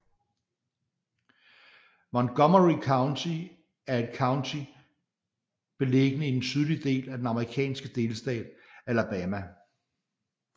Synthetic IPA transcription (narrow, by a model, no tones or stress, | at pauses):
mɒ̽nɡ̥ɒmɐʁikʰɑ̈ʊnt͡sʰi | æɐe̝d̥kʰɑ̈ʊnt͡sʰi | b̥e̝leɡ̥ənəid̥en̩sʰyð̞ˠlid̥e̝̰ːlæd̥enɑ̈məʁikʰɛ̰ːnsɡ̥əd̥e̝ːlsd̥ɛ̰ːd̥̚ælæb̥ɛːmæ